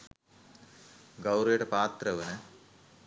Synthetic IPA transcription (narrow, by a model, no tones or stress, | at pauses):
ɡɐwɾeːʈɐpaːt̪ɾɐʋɐnɐ